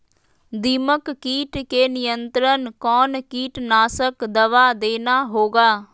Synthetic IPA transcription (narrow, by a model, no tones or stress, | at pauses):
d̪iːməkːiːʈkeːnɪjənt̪ɾənkɔːnkiːʈnaːsəkd̪əʋaːd̪eːnaːɦoːɡaː